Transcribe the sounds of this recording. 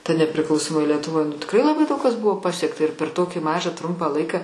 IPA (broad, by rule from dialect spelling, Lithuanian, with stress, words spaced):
tɐ nʲɛpʲrʲɪˈklˠɐʊsoːmoːj lʲiɛtʊˈʋoːj nʊ tʲɪkˈrɐɪ lˠɐˈbɐɪ ˈdɐʊk kɐs ˈbʊʋoː ˈpɑːsʲiɛktɐ ɪr pʲɛr ˈtoːkʲiː ˈmɑːʒɑː ˈtrʊmpɑː ˈlˠɐɪkɑː